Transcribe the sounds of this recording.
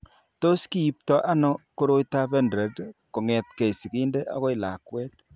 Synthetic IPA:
to˦ski˦i˦p̚tɔ˦ʔa˦nɔ˦ko˦ɾo˦jta˦be˦ndɾe˨dko˨ŋɛ˨tke˨i˨si˨ki˦nde˦ʔa̰˦ɣɔ˦ɪ˨la˨kwɛ˦t

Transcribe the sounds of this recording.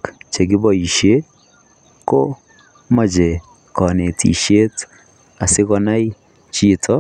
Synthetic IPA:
kt͡ʃe˨ɡɪ˦bɔ˨i˨ʃe˦ | ko˦ | ma˨d͡ʒe˨ | kɔ˨ne˨tʰḭ˨ʃe˦t | a˨sɪ˦kɔ˦na˦j | t͡ʃi˦tʰɔ˦

